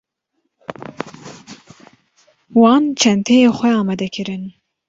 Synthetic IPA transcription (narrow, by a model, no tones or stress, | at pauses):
wɑːnt͡ʃʰɛnt̪ʰejeːxʷɛɑːmɛd̪ɛkʰɨɾɨn